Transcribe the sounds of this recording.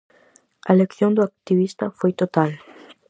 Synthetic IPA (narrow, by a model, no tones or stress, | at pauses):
a̰lekθjond̪uak̚t̪iβist̪afwejt̪ot̪al